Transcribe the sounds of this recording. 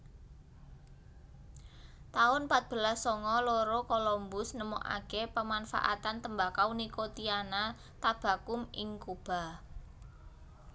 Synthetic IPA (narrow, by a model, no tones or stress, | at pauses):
t̪aʊnpat̪̚b̥ə̤lasːɔŋɔloɾokolɔmbʊsnəmɔ̰ʔa̰ɡ̥epəmanfa̰ʔa̰t̪ant̪əmbakaunikot̪iana | t̪ab̥a̤kʊmɪŋkub̥a̤